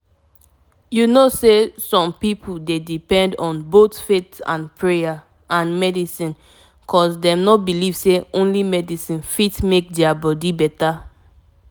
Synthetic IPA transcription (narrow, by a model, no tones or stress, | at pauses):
junosesɔ̃mpipʰudedipɛ̃ndɔ̃nbotfetã̰npʰɹeja | ʔãnmɛdisĩn | kʰɔsdɛ̃mnɔbiliv̥seõnlimɛdisĩnfitmek̚dɛabɔdibɛta